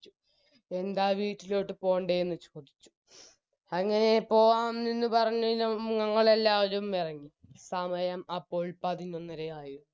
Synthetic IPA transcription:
u | e̞nd̪aːʋiːʈːilo̞ːʈːɨpo̞ːɳɖejenːɨt͡ɕoːd̪it͡ɕːu̥ | ɐŋːɐne̞po̞ːʋaːmninːɨpɐrɐɲːɐinɐŋɐŋːɐɭelːaːʋɐɾumirɐŋːisɐmɐjɐmɐpːo̞ːɭpɐðino̞nːɐɾeaːju

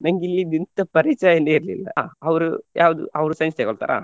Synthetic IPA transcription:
nɐŋɡilːid̪int̪ɐpɐɾit͡ʃaːjɐneiɾlḭlːɐ̰ɐʋɾujʔa̰ːʋud̪ṵʔɐʋɾusɐnst̪ɐɡoɭt̪a̰ːɾʔa̰ː

